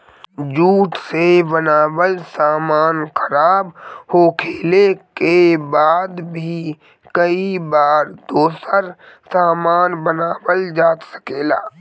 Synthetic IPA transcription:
d͡ʒuːʈsebənaːwəlsaːmaːnkʰəɾaːbhoːkʰeːlekebaːd̪bʱi | kəibaːɾd̪oːsəɾ | saːmaːnbənaːwəld͡ʒaːt̪sə̥keːla̰ː

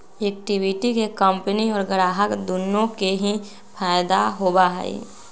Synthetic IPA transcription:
eːk̚ʈiʋɪʈikekəmpəniɔːɾɡəɽaːɦəkd̪unːõkeɦi | pʰaːjd̪aɦoːbaɦɛ̰ḭ

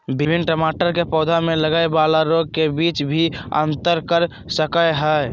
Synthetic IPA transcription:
bɪbʱɪnːʈəmaːʈəɾkepɔːd̪ʱamẽləɡaːebaːlaɾoːɡ̚kebiːt͡ʃbʱiə̰̃nt̪əɾkəɾ | səkəeɦɛː

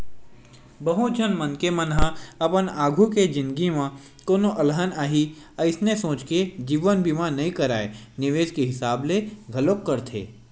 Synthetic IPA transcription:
bəɦõt͡ʃʰənmənkemənɦãɐpənaːɡʱuked͡ʒɪ̃nd̪ɡimã | koːnoʔɐlɦənaːɦi | əɪsnesõːt͡ʃked͡ʒiːʋənbiːmãnɐɦĩkəɾaːenɪʋeːʃkeɦɪsaːbleɡʱɐlokːəɾt̪ʰḛː

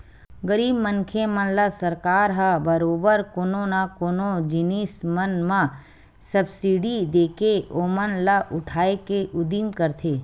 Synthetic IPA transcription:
ɡəɾiːbmənkʰemənlasəɾkaːɾɦabəɾoːbəɾkoːnõnakoːnod͡ʒɪniːsmənmã | səbsiɖid̪eːkeoːmənlaʔʊʈʰaːekeʔʊd̪iːmkəɾt̪ʰeː

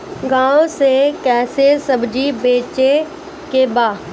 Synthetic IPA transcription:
ɡãːõsekɛːsesəbd͡ʒibeːt͡ʃe | kebaː

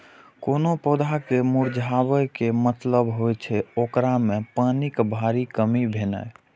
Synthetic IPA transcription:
konopɔd̪ʱakemuɾd͡ʒʱabəjkemət̪ləbɦojt͡ʃʰɛokɾamepanikbʱaɾikəmibʱena̰j

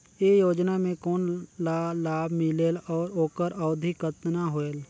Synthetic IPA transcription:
jeːjoːd͡ʒnamẽkoːnlalaːbʱmɪleːlɔːɾoːkəɾəːd̪ʱikət̪naɦoːeːl

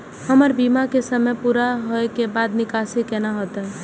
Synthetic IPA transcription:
həməɾbiːmakesəməpuːɾaɦoekebaːd̪nɪkaːsikenaɦot̪ɛ

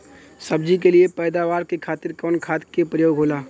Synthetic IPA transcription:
sɐb̚d͡ʒik̬eliepɛːd̪aːʋaːɾkekʰaːt̪ɪɾkɔːnkʰaːt̪kepɾəjoːɡʱɦoːlaː

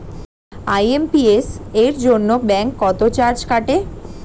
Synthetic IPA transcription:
ajempieseɾd͡ʑonːobɛŋkːɔt̪ot͡ɕaɾd͡ʑkaʈe

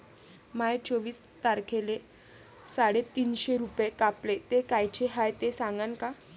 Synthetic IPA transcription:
majt͡sɔʋiːs | t̪aɾkʰele | saɽet̪iːnɕeɾupjekaplet̪ekajt͡ɕʰeɦajt̪esãŋɡanka

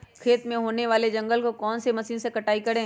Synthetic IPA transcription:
kʰeːt̪mẽɦoːneʋaːled͡ʒɐ̃ŋɡəlkokɔːnsemɐsiːnsekɐʈaːikɐɽẽː

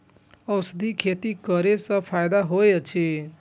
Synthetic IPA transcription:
ʌsd̪ʱikʰet̪ikʌɾesʌ̃pʰajd̪aɦojt͡ʃʰe

